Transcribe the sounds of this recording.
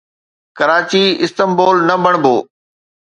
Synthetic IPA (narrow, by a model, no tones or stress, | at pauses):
kɐɾaːt͡ɕiɪst̪əmbɔːlnɐbəɽ̃bʱoː